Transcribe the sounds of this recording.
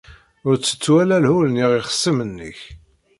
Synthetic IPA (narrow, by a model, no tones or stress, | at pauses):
ʊɾt͡sːə̥t͡sːwælælhulniʁiχə̥sːəmənːə̰ç